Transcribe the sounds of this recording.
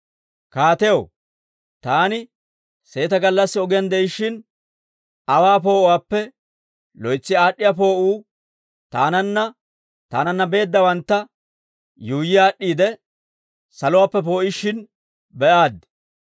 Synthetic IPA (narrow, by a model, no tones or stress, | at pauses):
kaːt̪ɛjo | t̪aːnɪ | se̞ːt̪ɐɡɐlːɐsːɪɔɡɪjɐnd̪ɛjɪʃːɪn | ɐwaːpo̞ːwaːpːɛ | lɔjt͡sːɪaːɗːɪjap̬o̞ːʔuː | t̪aːnɐnːɐ | t̪a̰ːnɐnːɐbe̞ːd̪ːɐwɐnt̪ːɐ | juːjːɪjaːɗːiːd̪ɛ | sɐlʊwaːpːɛpo̞ːʔɪʃːɪn | bɛʔaːd̪